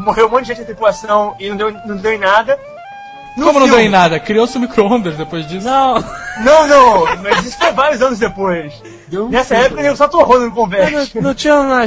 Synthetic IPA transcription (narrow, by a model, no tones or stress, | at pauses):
moʁewmõt̪ʊd͡ʒʒẽt͡ʃd̪̃t̪ɾipulasɐ̃w̃ɪnɐ̃w̃d̪ewnɐ̃w̃d̪ewẽnad̪ɐ | nõmʊnɐ̃wd̪ẽnad̪ɐkɾiowsɪ̃mikɾoõnd̪eɾzd̪epojzd͡ʒisɐ̃w̃nɐ̃w̃nɐ̃w̃mɐzisʊ̥fevaɾjʊzɐ̃nʊzd̪epojs | nɛsɐɛpʊkɐnẽsat̪oɐɦõnɐnʊ̃kõvɛɾñnɐ̃w̃t͡ʃĩɲɐ̃ma